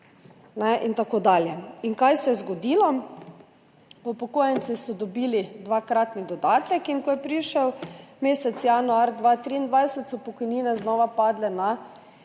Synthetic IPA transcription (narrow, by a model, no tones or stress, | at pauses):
nɛʔint̪akod̪aːljɛiŋkajsɛjɛzɡɔd̪iːlɔ | ɔpɔkoːjɛnsisɔd̪ɔbiːlid̪ʋakɾaːt̪nid̪ɔd̪aːt̪ɛkiŋkɔjɛpɾiʃəwmeːsɛt̪sjanuaɾd̪ʋaːt̪ɾiind̪ʋajsɛt̪sɔpɔkɔjniːnɛznɔːʋapaːd̪lɛna